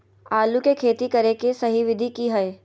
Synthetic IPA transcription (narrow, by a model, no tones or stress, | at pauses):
aːlukekʰeːt̪ikɐɾekesɐɦiʋɪd̪ʱikiɦɐeː